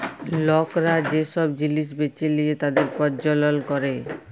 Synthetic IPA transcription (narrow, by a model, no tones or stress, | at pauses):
lɔkɾad͡ʑeʃɔbd͡ʑiliʃ̬bet͡ɕelijet̪ad̪eɾpɔd͡ʑɔlolkɔɾe